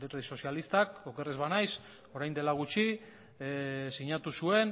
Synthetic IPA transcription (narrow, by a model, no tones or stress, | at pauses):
eɾiso̞sialist̪ako̞ke̞rezβanajs | o̞ɾajnd̪e̞laɣut͡ʃi | siɲat̪usue̞n